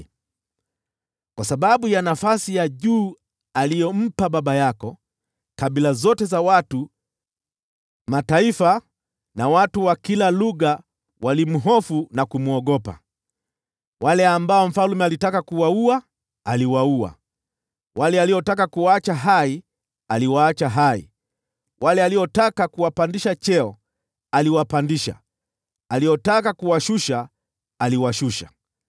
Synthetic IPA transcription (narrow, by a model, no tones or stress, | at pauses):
kwasaɓaɓujanafasijaʄuː | alijɔm̩paɓaɓajakɔ | kaɓilazɔtɛzawatu | mataifa | nawatuwakilaluɣa | wʔalim̩ɦɔfunakumuɔɠɔpa̰ | walɛambaɔm̩falumɛalitakakuwauaː | liwaua̰ | walɛaliɔtak̬akuwaat͡ʃaɦai | aliwaːt͡ʃaɦaḭ | wʔalɛaliɔtakakuwapandiʃat͡ʃɛɔ | aliwapandiʃa̰ | aliɔtakakuwaʃuʃaː | liwaʃuʃa̰